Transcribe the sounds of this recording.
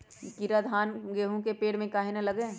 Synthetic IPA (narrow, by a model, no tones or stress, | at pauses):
kiɾad̪ʱaːnɡeːɦũkepeːɽmẽkaːɦinɐlɐɡẽː